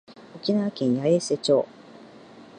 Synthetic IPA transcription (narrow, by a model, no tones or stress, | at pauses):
okʲinaβakʲẽɰ̃jaese̞t͡ɕo̞ː